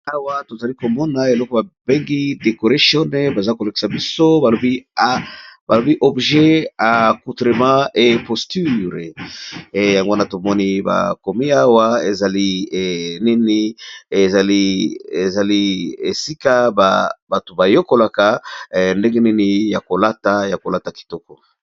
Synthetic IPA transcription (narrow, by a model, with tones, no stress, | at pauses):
a˦wa˦to˨za˨li˦ko˨mɔ˦na˨e˨lɔ˦ko˦ba˨be˦ŋɡi˦de˨ko˨ʁa˦sjɔ˦ne˦ba˨za˦ko˨le˨ki̥˨sa˨bi˦so˦ba˨lo˨bi˦ | ba˨lo˨bi˦ʔɔ˨bʒe˦a˨ku˨tʁe˨mã˦ʔe˨po˨sty˦ʁe˨ | ja˨ŋɡo˦na˨to˨mɔ˦ni˦ba̰˨ko˨mi˦a˦wa˦e˨za˨li˦˨ni˦ni˦e˨za˨li˦e˨za˨li˦e˨si˦ka˦ba˨ba˨to˨ba˨jo˦ko˨la˨ka˨nde˦ŋɡe˦ni˦ni˦ja˨ko˨la˦ta˦ja˨ko˨la˦ta˨ki̥˨tɔ˦kɔ˨